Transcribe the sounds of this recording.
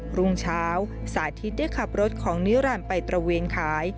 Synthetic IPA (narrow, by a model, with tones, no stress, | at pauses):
ɾu˧ŋt͡ɕʰaː˦˥w | saː˨˩˦t̪ʰi˦˥t̪̚daː˥˩jkʰa˨˩p̚ɾo˦˥t̪̚kʰɔː˩˦ŋniː˦˥wɾa˧˩npa˧jt̪ɾa˧weː˧nkʰaː˩˦j